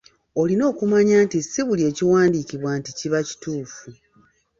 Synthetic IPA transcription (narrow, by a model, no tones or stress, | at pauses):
o̞lino̞ːkumaɲaːntisiβulie̞ːciwaːndikiβwaːnticiβaci̥tuːfu